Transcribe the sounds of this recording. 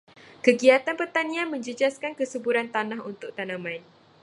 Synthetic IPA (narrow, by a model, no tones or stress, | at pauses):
kəɡiat̪anpərt̪anĩãnmə̃ɲd͡ʒəd͡ʒaskankəsəbuɾant̪anãɦunt̪ʊk̚t̪anãmãjn